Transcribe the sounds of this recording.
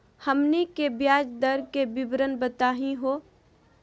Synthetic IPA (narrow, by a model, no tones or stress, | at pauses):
hɐmnikebjaːd͡ʒd̪əɾkebɪbɾənbət̪aːɦĩɦoː